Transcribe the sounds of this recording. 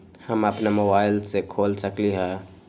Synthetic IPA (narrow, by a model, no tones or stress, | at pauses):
həməpnemobaːɪlsekʰoːlsəkliɦɛ̃ː